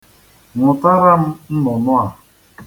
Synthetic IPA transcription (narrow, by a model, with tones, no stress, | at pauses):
ŋʊ˨ta˦ɾa˦m̩˦n̩˦nɔ˨nʊ˦a˨